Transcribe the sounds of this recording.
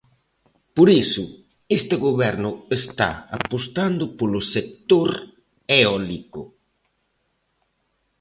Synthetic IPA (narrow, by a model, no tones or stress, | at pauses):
poɾisʊ | est̪ɪɣoβɛɾnʊest̪a̰a̰post̪and̪ʊpolʊsek̚t̪oɾ | eɔlikʊ